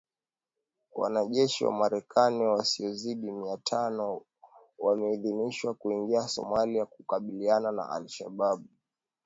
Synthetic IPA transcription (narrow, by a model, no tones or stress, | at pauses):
wa̰naʄɛʃiwa̰maɾɛkʰaniwasiɔziɗimiatʰanɔ | wamɛiðiniʃwakuiŋɡiasɔ̰maliakukaɓilianana̰ʔa̰lʃa̰ɓaɓu